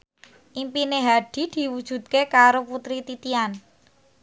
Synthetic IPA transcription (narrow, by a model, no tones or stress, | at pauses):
ʔimpineɦaɖ̥i̤d̪̥i̤wud̥ʒ̥ṳt̪̚kekaɾoput̪ɾit̪it̪ian